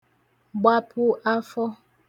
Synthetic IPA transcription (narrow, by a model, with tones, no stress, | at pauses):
ɡ͡ba˦pʰu˦a˦fɔ˦